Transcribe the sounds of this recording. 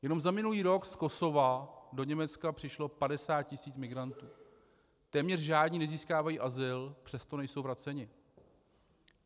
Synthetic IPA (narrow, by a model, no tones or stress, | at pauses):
jɛno̞mzamɪnuliːɾo̞ksko̞so̞vado̞ɲɛmɛt͡skapr̥ɪʃlo̞padɛsaːt̪̚cɪsiːt͡smɪɡɾant̪uː | t̪ɛːmɲɛrʒaːdɲiːnɛziːskaːvajiːʔazɪlpr̝̥ɛst̪o̞nɛjsowvɾat͡sɛɲɪ